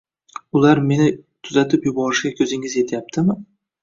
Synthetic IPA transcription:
ʊlaɾme̞nɪt̪ʰʊzat̪ʰɪpjʊbɒɾɪʃɡʲakʲʰɵzɪŋɪze̞t̪ʰɪjap̚t̪ʰɪmɪ

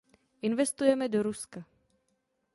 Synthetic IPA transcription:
ʔɪnvɛst̪ujɛmɛdoɾuska

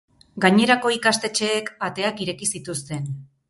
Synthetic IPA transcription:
ɡaɲe̞ɾako̞ikast̪e̞t͡ʃe̞ːkbat̪e̞akiɾe̞kisit̪ust̪e̞n

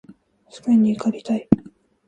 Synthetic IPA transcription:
sɨ̥kɯiɲiːkaɾʲit̪ai

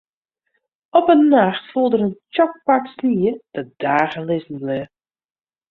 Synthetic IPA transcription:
ɔpənːaxtfulˠdəɾənt͡ʃɔk̚paksliəd̥əd̥aːɣəlɪzn̩lə

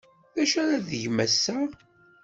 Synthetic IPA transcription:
ðæʃæɾæðəʝmæsːæ

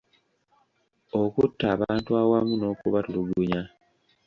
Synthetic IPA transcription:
okutːaːβaːntuawamuno̞ːkuβatuluɡuɲa

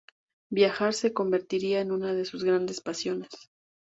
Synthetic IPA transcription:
bjaxaɾse̞ko̞mbe̞ɾt̪iɾiaenũnað̞e̞suzɣɾand̪e̞spasjo̞ne̞s

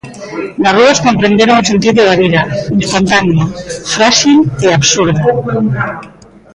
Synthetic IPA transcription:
laruðaskompɾend̪eɾouns̬ent̪̬it̪̚d̪eβaɾiɾainst̪ant̪aniefɾaʃileapsuɾða

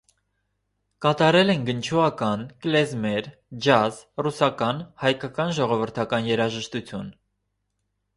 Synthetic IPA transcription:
kɑt̪ɑɾɛlɛnɡənt͡ʃʰuɑkɑnklɛzmɛɾ | d͡ʒɑzrusɑkɑnhɑjkɑkɑnʒɔʁɔvəɾt̪ʰɑkɑnjɛɾɑʒəʃt̪ut͡sʰjun

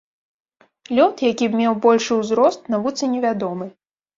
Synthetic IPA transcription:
lʲɔt̪jakʲibmʲɛwbɔlʲʂɨwzɾɔst̪navut̪sɨnʲɛvʲad̪ɔmɨ

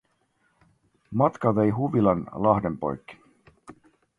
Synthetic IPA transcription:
mɑt̪kɑʋejɦuʋilɑnlɑhde̞mpo̞̰jkːi̥

